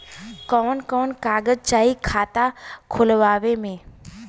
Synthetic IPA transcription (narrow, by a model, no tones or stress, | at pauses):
kɔːnkɔːnkaːɡəd͡ʒt͡ʃaːikʰaːt̪akʰʊlʋaːʋemẽː